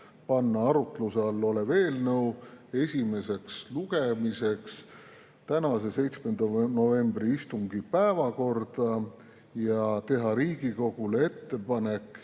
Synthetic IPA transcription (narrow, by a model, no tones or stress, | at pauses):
pɑnːɑɑɾut̪luseɑlːoleve̞ːlnɤwe̞sʲime̞se̞ksluɡ̥e̞mise̞ks | t̪ænɑse̞se̞jt̪sme̞nd̪̥ɑno̞ve̞mbriist̪uŋɡ̥ipæevɑko̞rd̪̥ɑ | jɑt̪e̞ɦɑɾiːɡ̥iko̞ɡ̥ulee̞t̪ːe̞pɑne̞kːˑ